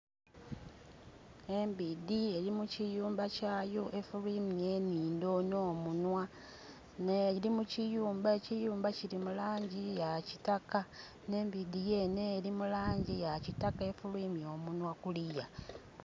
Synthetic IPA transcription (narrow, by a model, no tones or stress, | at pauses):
e̞mbidie̞limucijuːmbacaːjo̞ʔe̞fuliːmije̞ːniːndo̞no̞ːmunwa | neɾimucijuːmbaecijuːmbaciɾimulaːɲɟijaci̥taka | ne̞ːmbidije̞ːne̞ːlimulaːɲɟijacitakae̞fulwiːmjo̞ːmunwakulija